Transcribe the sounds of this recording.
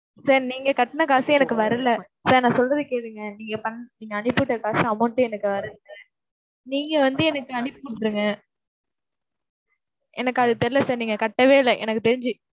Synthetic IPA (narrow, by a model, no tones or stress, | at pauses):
saːɾniːŋɡɐkɐʈːɐnɐkaːsɐ̃ɛnɐkːɯʋɐɾɐlɐ | saːɾnãːsɔlrɐðɯkeːʈːɯŋɡɐniːŋɡɐpɐnːniːŋɡɐːnɪpːɯʈːɐkaːsɐ̃ɐmoʈːɯ̃ɛnɐkːɯʋɐɾɐðɯŋɐ | niːŋɡɐʋɐnd̪ɯɛnɐkːɯɐnɪpːɯkɐʈːɾɯŋɡɐ | ʔɛnɐkːɯɐðɯt̪ɛɾɪlɐsaːɾniːŋɡɐkɐʈːɐʋeːlɐʔɛ̰nɐkːɯt̪ɛɾɪɲd͡ʒɯ